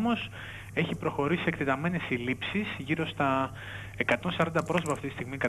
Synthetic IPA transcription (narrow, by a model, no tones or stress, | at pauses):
mo̞s | e̞çipɾo̞xo̞ɾissekt̪et̪ɐme̞ne̞silipsisʝiɾo̞st̪ɐ | ekɐt̪o̞nsɐɾɐnd̪ɐpɾo̞sopɐːft̪it̪ist̪iɣmikɐ